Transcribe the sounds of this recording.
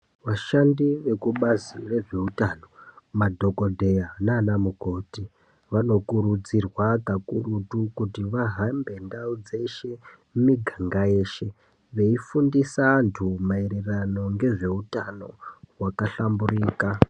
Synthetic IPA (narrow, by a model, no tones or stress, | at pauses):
ʋaʃandiʋe̞kuɓazire̞ʐe̞utano̞madʱo̞ko̞dʱe̞janaːnamuko̞ːti | ʋano̞kuɾud͡zirwakakurutukutiʋaɦambe̞ndaud͡ze̞ʃe̞ | mumiɡʱaŋɡaje̞ːʃe̞ | ʋe̞ifundisantʰumaeɾerano̞ŋɡe̞ʐe̞utano̞wakaɬamburiːka